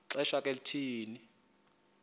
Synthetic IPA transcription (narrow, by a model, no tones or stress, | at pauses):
ǀɛʃakʼelitʰiːni